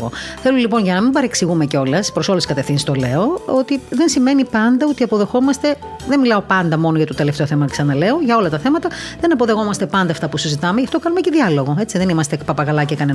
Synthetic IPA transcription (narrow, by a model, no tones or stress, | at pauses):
ɣo̞̰θe̞lulipo̞nʝɐnɐmibɐɾeksiɣume̞ceo̞lɐspɾo̞so̞leskɐt̪efθinsist̪o̞le̞oo̞t̪iðe̞nsime̞nipɐnd̪ɐo̞t̪iɐpo̞ðe̞xo̞mɐst̪e̞ | ðenmilɐo̞pɐnd̪ɐmo̞noʝɐt̪ot̪e̞left̪e̞o̞θe̞mɐsɐnɐle̞o̞ʝɐo̞lɐt̪ɐθe̞mɐt̪ɐðe̞nɐpo̞ðe̞ɣo̞mɐst̪e̞pɐnd̪ɐːft̪ɐpusizit̪ɐmeʝɐft̪o̞kɐnumeceðiɐlo̞ɣo̞e̞t͡siðe̞nimɐst̪epɐpɐɣɐlɐcekɐne